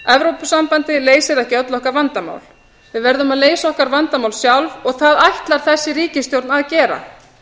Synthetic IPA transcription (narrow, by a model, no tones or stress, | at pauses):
ɛvɾowpʏsampant̪ɪleːjsɪðɛhcɪœt̪lɔhkaɾvant̪ama̰wl | vɪðvɛɾðʏmaðleːjsɔhkaɾvant̪amawlsjawlvɔɣθaðajht̪laɾ̥θɛsːɪɾiːcɪst̪jowɾt̪naðcɛːɾa̰